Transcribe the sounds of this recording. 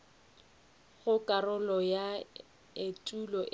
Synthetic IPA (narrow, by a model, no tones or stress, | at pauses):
ɣʊkʼarʊlɔja | etʼulɔʔ